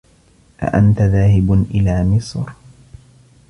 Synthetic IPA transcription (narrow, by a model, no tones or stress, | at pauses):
ʔa̰ʔant̪aðaːhɪbnʔɪlaːmɪsˤɾ